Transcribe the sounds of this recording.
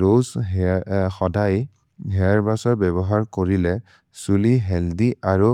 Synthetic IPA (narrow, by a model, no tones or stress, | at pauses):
ɹoz | xɔdaj | ɦɛaɹbasɔɹbɛbɔɦaɹkoɹilɛ | suliɦɛldiʔaɹu